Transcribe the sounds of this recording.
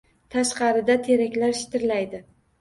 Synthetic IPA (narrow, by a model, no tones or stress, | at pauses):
t̪ʰaʃqɑɾɪd̪at̪ʰe̞ɾakʲlaɾʃɪ̥t̪ʰɪɾlajd̪ɪ